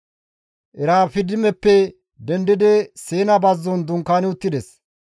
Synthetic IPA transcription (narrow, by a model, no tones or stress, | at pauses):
ʔɛɾaːfɪd̪ɪmɛpːɛ | d̪ɛnd̪ɪd̪ɛseːnɐbɐzːɔnd̪ʊŋkːaːnɪʊt̪ːɪd̪ɛs